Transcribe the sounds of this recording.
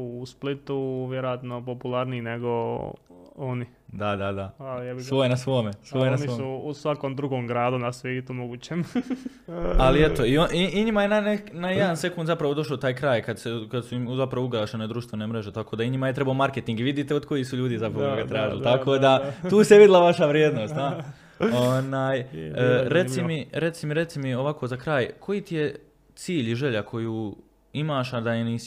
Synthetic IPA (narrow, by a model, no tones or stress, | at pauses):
usplit̪uʋjeɾojat̪nopopulˠaɾniːneɡo | oni | d̪ad̪ad̪aalɛsʋojenasʋoːmesʋojenaniosuusʋakomd̪ɾuɡomɡɾaːd̪unasʋjeːt̪umoɡuːt͡ɕem | aliet̪o̞ioʔiiɲimajenanenajed̪anse̞kund̪zapɾaʋo̞d̪o̞ʃoːt̪aːjkɾaːjkad̪sekad̪suimzapɾaʋuɡɾaʃened̪ɾuːʃt̪vʋe̞nemɾe̞ʒe̞t̪ako̞ːd̪aiɲimajet̪ɾe̞baomaɾket̪iŋɡiʋid̪iːt̪eod̪ko̞jisuʎuːd̪iːzapɾaʋooɡat̪ɾaːd̪ḭlt̪akʰoːd̪at̪uːseʋid̪ilˠaʋaʃaʋɾjeːd̪no̞ːst̪a | onaːjː | ɾe̞t̪simiɾe̞t̪simiɾe̞t̪simio̞ʋakʰo̞zakɾaːjkʰo̞jit̪ije̞ | t̪siːʎiʒe̞ʎakʰo̞juː | imaːʃad̪aeniː